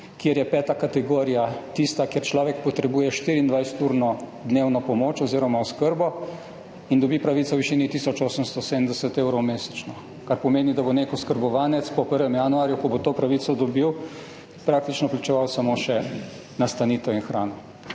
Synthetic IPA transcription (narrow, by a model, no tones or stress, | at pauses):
kjeɾjɛpɛːt̪akat̪ɛɡoːɾijat̪ist̪akjeɾt͡ʃlɔːʋɛk̚pɔt̪ɾɛbuːjɛʃt̪iːɾiːnd̪ʋajst̪uːɾnɔd̪neːwnɔpɔmoːt͡ʃɔziːɾɔmaɔskəɾbɔ | ind̪ɔbipɾaʋit̪sɔwʋiʃiːnit̪isɔt͡ʃoːsəmst̪ɔsed̪əmd̪ɛsɛt̪eːwɾɔwmeːsɛ̥t͡ʃnɔ | kaɾpɔmeːnid̪aboneːkɔskəɾbɔʋaːnɛt̪spɔpəɾʋɛmjanuaːɾjukɔbot̪oːpɾaʋiːt̪sɔd̪ɔbiw | pɾaːk̚t̪it͡ʃnɔplit͡ʃɛʋawsamoʃɛ | nast̪aniːt̪ɛinxɾaːnɔ